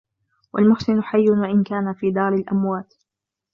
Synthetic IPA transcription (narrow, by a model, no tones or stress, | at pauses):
wa̰lmʊħsɪnʊħajːʊnwaʔɪnkaːnafiːd̪ɑːɾɪlʔamwaːt̪